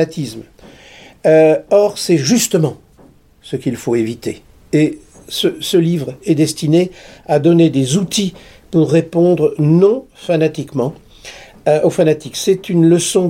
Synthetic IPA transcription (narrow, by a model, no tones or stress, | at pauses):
at̪ʰism | ɔʁsɛʒyst̪əmɑ̃ | səkʲilfoevit̪e | e | səsəlivʁɛd̪ɛst̪inead̪ɔned̪ezut̪i | puʁːepɔ̃d̪ʁnɔ̃fanat̪ikmɑ̃ | ʔofanat̪iksɛt̪ynləsɔ̃